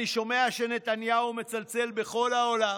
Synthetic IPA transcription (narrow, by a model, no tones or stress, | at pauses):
iʃo̞me̞aʃene̞t̪anjaume̞t͡salt͡se̞lbe̞χo̞laola